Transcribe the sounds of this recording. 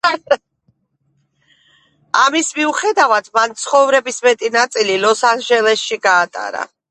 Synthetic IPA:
amismiuχɛd̪avad̪mant̪sʰχɔvɾɛbismɛt̪ʼinat̪sʼililɔsanʒɛlɛsʃiɡaːt̪ʼa̰ɾa̰

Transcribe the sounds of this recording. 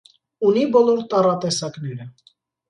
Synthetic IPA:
unibɔlɔɾt̪ɑrɑt̪ɛsɑknɛɾə

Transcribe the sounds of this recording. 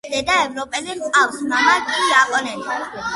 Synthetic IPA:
d̪ɛd̪aɛvɾɔpʼɛliqʼawsmamakʼijapʼɔnɛni

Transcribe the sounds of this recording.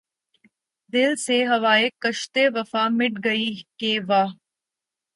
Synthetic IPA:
d̪ɪlseɦɐʋaːekːɐʃt̪eʋɐfamɪʈɡɐikeːʋaː

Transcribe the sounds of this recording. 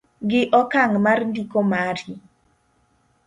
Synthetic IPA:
ɡɪʔɔkaŋmarndikomaɾi

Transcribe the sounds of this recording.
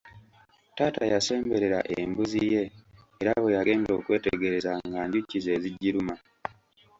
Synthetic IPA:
taːta̰jase̞ːmbe̞ɾe̞ɾa̰ʔembuzije̞ː | ɾaβojaɡe̞ːmeɾo̞̰ːkwe̞ːteɡe̞ɾe̞zaŋɡaːɲɟucːize̞ːziɟːiɾuma

